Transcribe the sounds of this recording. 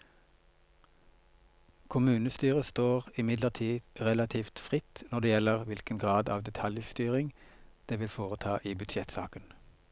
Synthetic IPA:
kʰʊmʉːnəst̪yːʁəst̪oːʁɪmɪd̪ləʁt̪ʰiːʁɛlɑt̪ʰiːft̪fʁɪt̪nɔd̪eːjɛləʁʋɪlkənɡʁɑːd̪ɑ̰ːʋd̪ɛt̪ʰɑljst̪yːʁɪŋd̪̥eːʋɪlfoːʁət̪ʰɑːʔiːbʉd̪ʃɛt̪sɑ̰ːkən

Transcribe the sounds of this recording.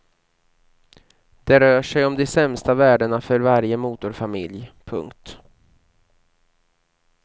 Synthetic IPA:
d̪̥ɛɾœːʂɛjɔmd̪ɛsɛmst̪avæːɖəɳafœɾvaɾjəmuːt̪ʊɾfamɪ̰ljpʰɵ̰ŋkt̪

